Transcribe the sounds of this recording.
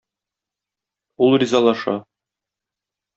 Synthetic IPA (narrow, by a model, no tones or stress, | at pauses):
ulˠrʲizɑlˠɑʃɑ̰